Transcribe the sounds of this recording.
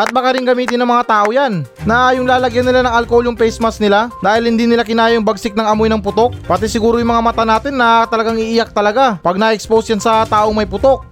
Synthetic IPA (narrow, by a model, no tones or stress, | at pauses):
ʔɐt̪̚bɐkɐɾɪŋɡɐmiːt̪ɪnɐŋmɐŋat̪aːʔojannɐjʊŋlaːlɐɡjanːɪlanɐŋɐlkoːloŋpɛjsmɐsnɪlad̪aːhɪlhɪnd̪inɪlakɪnaːjoŋbɐɡsɪk̚nɐŋɐmojnɐŋpʊt̪o̞k̚pɐt̪ɛsɪɡuːɾojʊŋmɐŋamɐt̪anaːt̪ɪnːɐt̪ɐlɐɡaŋɪʔiːjɐk̚t̪ɐlɐɡapɐɡ̚nɐɛksposjansɐt̪aːʔo̞ŋmɐjpʊt̪o̞k̚